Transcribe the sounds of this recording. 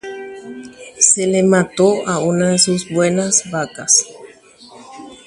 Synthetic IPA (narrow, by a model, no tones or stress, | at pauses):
selemat̪oʔaunaðesuzbwe̞nasβakas